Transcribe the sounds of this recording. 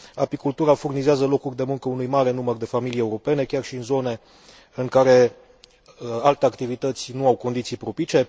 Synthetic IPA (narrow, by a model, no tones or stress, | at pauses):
apikult̪uɾafurnizeazəlo̞kurʲd̪e̞muŋkəunujmaɾe̞numərd̪e̞familijeuɾo̞pe̞ne̞kʲarʃiɨnzo̞ne̞ | ɨŋkaɾe̞ | alt̪e̞akt̪ivit̪ət̪sʲnuawko̞nd̪it̪sijpɾopit͡ʃe̞